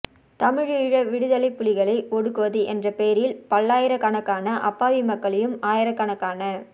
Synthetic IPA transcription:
t̪ɐmɪɻɪɻɐʋɪɽɯðɐlɐɪpːʊlɪɣɐɭɐɪɔɽɯkːɯʋɐðɯʔɛndrɐpeːɾɪlpɐlːaːjɪɾɐkɐɳɐkːaːnɐʔɐpːaːʋimɐkːɐɭɐjɯmaːjɪɾɐkːɐɳɐkːaːnɐ

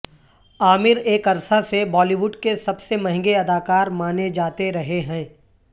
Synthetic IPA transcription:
aːmɪɾeːkɐɾsasebɔːliʋʊɖkesɐbsemɐ̃ɦɪ̃ŋɡeɐd̪aːkaːɾmaːned͡ʒaːt̪eɾɐɦeɦɛ̃ː

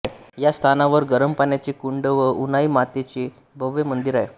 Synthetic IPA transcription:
jast̪ʰanaʋəɾɡəɾəmpanjat͡ɕekuɳɖəʋəʔunaimat̪et͡ɕe | bʱəʋːemənd̪iɾaje

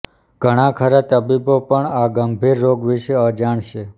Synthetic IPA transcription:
ɡ̥ʱəɽ̃ãkʰəɾat̪əbibopəɳaɡəmbʱiɾːoɡʋiʃeəd͡ʒaɳʃe

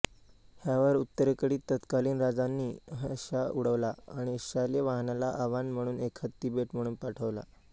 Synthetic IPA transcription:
hjaʋəɾut̪ːəɾəkəɽiːt̪ːət̪kaliːnɾad͡zanːiːɦəɕauɽ̤əʋlaaɽ̃ieɕaleʋaɦnalaʔaʋanm̤əɽ̃uːnekʰət̪ibeʈm̤əɽ̃uːnpaʈʰəʋla̰

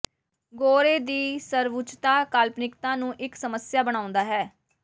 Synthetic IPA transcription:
ɡoːɾeːd̪iːsəɾʋʊt͡ʃt̪aːkaːlpnɪkt̪ãːnũːʔɪksəməsjaːbəɽ̃aːʊ̃nd̪aːɦɛː

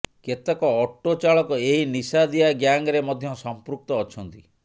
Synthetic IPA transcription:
ket̪ekɔːʈːot͡ʃaɭɔkɔeɦinisad̪iaɡjaŋɡɾemɔd̪ʱjɔsɔmpɾuk̚t̪ɔːt͡ʃʰɔnt̪i

